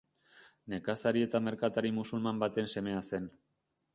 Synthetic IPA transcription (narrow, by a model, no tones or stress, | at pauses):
ne̞kasaɾie̞t̪ame̞ɾkat̪aɾimusulmambat̪e̞nse̞me̞ase̞n